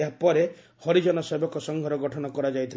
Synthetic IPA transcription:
ɦapɔɾe | hɔɾid͡ʒɔnɔsebɔkɔsɔŋɡʱɔɾɔɡɔʈʰɔnɔkɔɾad͡ʒajt̪ʰil

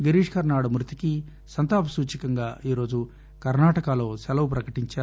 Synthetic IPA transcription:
ɡɐɾiːʂkɐɾnaːɽumɾut̪i̥ki | sɐnt̪aːpɐsuːt͡ʃikɐŋɡaːʔiːɾo̞ːd͡ʒu | kɐɾnaːʈɐkalo̞ːsɛlɐwupɾɐkɐʈiɲt͡ʃaː

